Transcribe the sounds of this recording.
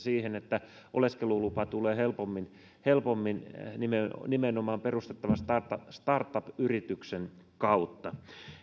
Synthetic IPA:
siːhenet̪ːæ | ʔo̰leskelulupɑt̪uleːhelpomːin | helpomːinnimenimenomɑːmperust̪et̪ːɑʋɑst̪ɑrt̪ɑst̪ɑrt̪ːɑpyrit̪yksenkɑut̪ːɑ

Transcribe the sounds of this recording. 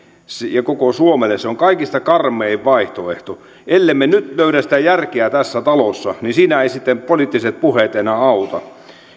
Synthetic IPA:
sjɑkokosuomelːesseoŋkɑikist̪ɑkɑrmˑeiʋʋɑiht̪oeht̪o | elːemːenyt̪løyɾæsit̪æjærkeæt̪æsːæt̪ɑlosːɑnisiːnæeisit̪ːempolit̪ːiset̪̚puhet̪enæɑut̪ɑ

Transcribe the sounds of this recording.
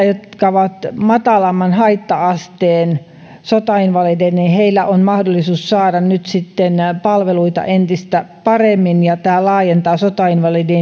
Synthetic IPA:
jot̪kɑʋɑt̪mɑt̪ɑlɑmːɑnhɑit̪ːɑɑst̪eːn | sot̪ɑinʋɑlid̪enniheilːˑæʔonmɑhdolːˑisuːssɑːdɑnnyt̪sit̪ːenpɑlʋeluit̪ɑ̰ʔent̪ist̪æpɑremːinjɑt̪æːlɑːjent̪ɑːsot̪ɑinʋɑlide

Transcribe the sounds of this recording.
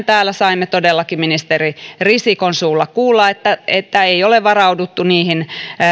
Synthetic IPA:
nt̪æːlːˑæsɑimːet̪odelːɑkiminist̪eririsikonsuːlːɑkkuːlːɑet̪ːæet̪ːæeioleʋʋɑrɑudut̪ːuniːhin

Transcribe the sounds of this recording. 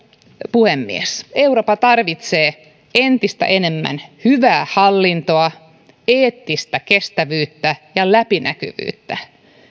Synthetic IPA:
puhemːḭeseuroːpɑt̪ɑrʋit̪seː | ent̪ist̪æ̰ʔenemːæ̰nhyʋæːhɑlːint̪oɑ | eːt̪ːist̪ækest̪æʋyːt̪ːæjɑlæpinæky̰ʋy̰ːt̪ːæ

